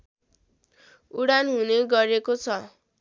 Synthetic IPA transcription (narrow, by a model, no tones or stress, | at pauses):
uɽanɦuneɡʌɾekot͡sʰʌ